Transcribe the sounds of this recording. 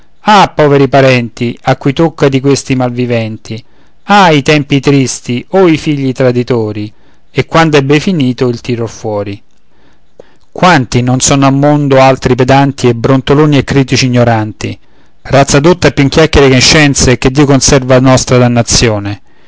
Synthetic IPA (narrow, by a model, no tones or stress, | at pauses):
apːɔːveɾipaɾɛnt̪iakːujt̪okːad̪ikwest̪imalvivɛnt̪ʰi | ait̪ɛmpit̪ɾist̪ioifiʎːit̪ɾad̪it̪oːɾi | ekːwand̪oɛbːefiniːt̪oilt̪iːɾofwɔːɾi | kwant̪inonsɔnoamːond̪oalt̪ɾiped̪ant̪iɛbɾont̪oloːniɛkːɾiːt̪it͡ʃiːɲːoɾant̪i | rat̪sːad̪ot̪ːapjuiŋk̟jakːɛɾekoʃːɛnt̪seked̪ːiokonsɛrvanɔst̪ɾad̪anːat̪sːjoːne